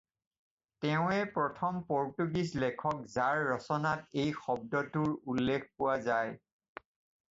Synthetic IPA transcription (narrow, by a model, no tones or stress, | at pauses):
tɛʊ̃ɛpɹɔtʰɔmpɔɹtuɡislɛkʰɔk̚zaɹːɔsɔnatejxɔb̚dɔtuɹulːek̚ʰpʊwazaj